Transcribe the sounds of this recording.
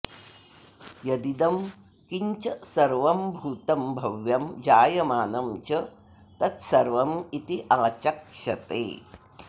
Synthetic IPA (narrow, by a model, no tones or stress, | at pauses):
jɐd̪id̪ɐm | kiɲt͡ʃɐsɐɾʋɐmbʱuːt̪ɐmbʱɐʋjɐmd͡ʒaːjɐmaːnɐmt͡ʃɐ | t̪ɐt̪sɐɾʋɐmit̪iʔaːt͡ʃɐkʂɐt̪ḛː